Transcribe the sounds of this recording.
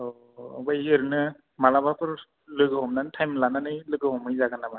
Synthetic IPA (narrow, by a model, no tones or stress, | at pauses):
ɔ̰ | bajeɾɯnɯ | malabapʰɯɹ | lɯɡɯɦɔmnantʰajmlananɯjlɯɡɯɦɔmɯjzaɡanama